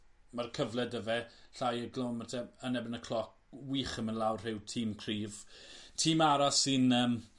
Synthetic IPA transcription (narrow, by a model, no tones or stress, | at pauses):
markʰəvlˠɛdəvɛɬajəɡlˠɔnmatʰɛənɛbɪnəkʰlˠɔk̚ | wiːχəmənlawrr̥ɪwtʰiːmkʰriːvtʰiːmaɾasɪnəːm